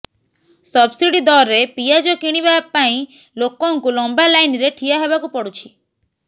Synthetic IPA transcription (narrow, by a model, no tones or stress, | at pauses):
sɔbsiɽid̪ɔɾepijad͡ʒɔkiɽ̃ibapaĩ | lokɔŋkulɔmbalajniɾeʈʰiaɦebakupɔɽut͡ʃʰi